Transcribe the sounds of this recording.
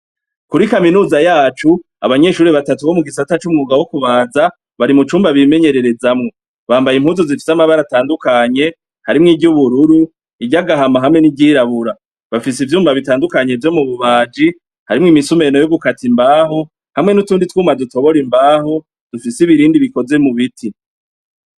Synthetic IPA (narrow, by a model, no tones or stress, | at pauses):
kuɾikaminuːzajaːt͡ʃu | a̰βaɲe̞ʃuːɾiβatatuβo̞muɡisatat͡ʃumŋuːɡawokuβaːza | βaɾimut͡ʃuːmbaβime̞ɲe̞ɾe̞ɾe̞zamŋo̞ | βaːmbajim̥huːnzuzifi̥samaβaɾataːndukaɲe̞ | haɾimŋiɟuβuɾuɾu | iɟaɡaɦamaɦamŋe̞nibɟiːɾaβuɾa | βafis̬ivjuːmvaβitaːndukaɲe̞vjo̞muβuβaːd͡ʒi | haɾimŋimisume̞no̞joɡukatimbaːɦo̞ | hamŋe̞nutuːnditwuːmaduto̞βo̞ɾimbaːho̞ | d̥ufisiβiɾiːndiβiko̞ze̞muβitʰi